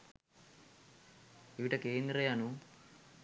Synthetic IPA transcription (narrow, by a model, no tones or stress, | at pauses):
iʋiʈɐkeːnd̪ɾɐjanu